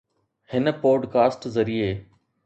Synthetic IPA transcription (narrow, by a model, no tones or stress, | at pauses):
hɪnə̆poːɖkaːsʈzɐɾieː